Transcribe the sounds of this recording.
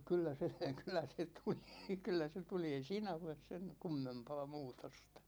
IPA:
kylːæ se kylˑæ se tuli kylːæ se tuli ei siːnæ oles sen kumːempɑː muːtostɑ̥

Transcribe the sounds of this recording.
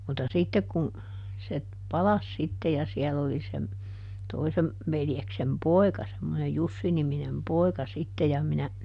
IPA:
mutːɑ sitːek kun se pɑlɑs sitːe jɑ siɛlː oli sem toisem ʋeljeksem poi̯kɑ semːonej jusːiniminem poi̯kɑ sitːe jɑ minæ

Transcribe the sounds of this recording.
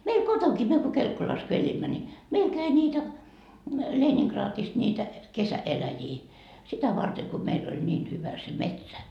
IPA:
meil kotoŋkiː myø ko kelkːolɑs ko elimːæ ni meil kæi niːtæ leːniŋkrɑːtist niːtæ kesæelæjiː sitæ ʋɑrte ko meil ol nʲiːn hyʋæ se metsæ

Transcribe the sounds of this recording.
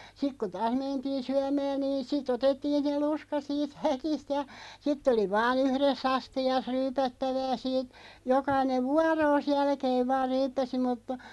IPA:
sik ku tɑːs mentiːn̞ syæmæːn̆ niːn sitˑ otetːiːn̞ se luskɑ siːt hækist jɑ sitˑ oli ʋɑːn yhresː ɑstiɑs ryːpætːæʋæː siːt jokɑineʋ ʋuɑroːs jælkeːʋ ʋɑːr ryːpːæsi mutːɑ̥

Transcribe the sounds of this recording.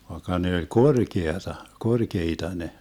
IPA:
ʋɑekːɑ ne olʲ korkeɑtɑ korkeitɑ ne

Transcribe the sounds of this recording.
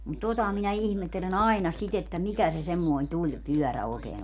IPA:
mut totɑ minæ ihmetːelen ɑi̯nɑ sit etːæ mikæ se semːoi̯n tulʲpyœˑræ oˑekeːn

